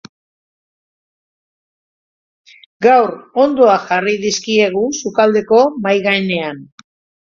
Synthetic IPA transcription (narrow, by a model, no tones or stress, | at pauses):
ɡawɾo̞nd̪o̞aʝariðiskie̞ɣ̞usukald̪e̞ko̞majɣaene̞an